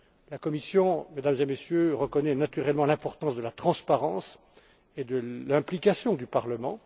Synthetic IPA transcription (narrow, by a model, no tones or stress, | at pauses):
lakɔmisjɔ̃med̪amzemesjøʁəkɔnɛnat̪yʁɛlmɑ̃lɛ̃pɔʁt̪ɑ̃sd̪əlat̪χɑ̃spaʁɑ̃s | ed̪əlɛ̃plikasjɔ̃d̪ypaʁləmɑ̃